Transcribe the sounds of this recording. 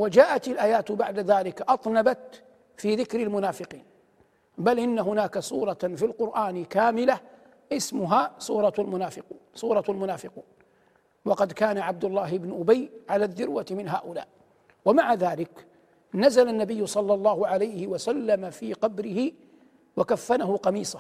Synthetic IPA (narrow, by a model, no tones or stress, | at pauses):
wad͡ʒaːʔat̪alʔaːjaːt̪baʕd̪aðaːlɪkʔɑt̪ˤnabat̪ | fiːðɪkɾɪlmʊnaːfɪqiːn | balʔɪnːaɦʊnaːkasˤuːɾˤɑfilqʊɾʔaːnɪkaːmɪla | ʔɪsmʊɦaːsˤuːɾˤɑalmʊnaːfɪquːnsˤuːɾˤɑalmʊnaːfɪquːn | wɑqɑd̪kaːnaʕab̚d̪ʊlːaːɦɪbnʊʔʊbajʕalaːðːʊɾwat̪mɪnɦaːʔʊla̰ːʔ | wamaʕaðaːlɪk | nazalanːabɪjːʊsˤɑlːɑlˤːɑːhʊʕalajhɪwasalːamafiːqɑbɾɪhɪ | wakafːanaɦʊqɑmiːsˤa